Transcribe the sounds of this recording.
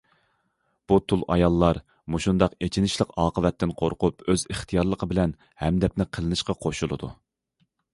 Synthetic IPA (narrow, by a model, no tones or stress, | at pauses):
b̥ut̪ʰulˠʔɑ̰jɑlˠːɑɾ | muʃund̪ɑqet͡ʃʰinɪʃlˠəqɑːqʰəvɛt̪ːɪnqʰoɾqʰʊpøzəχt̪ʰijɑɾlˠəqʰəbɪlɛn | hɛmd̪ɛp̚nɪqʰəlˠɨnɨʃqɑqʰoʃulˠɨ̰d̪ṵ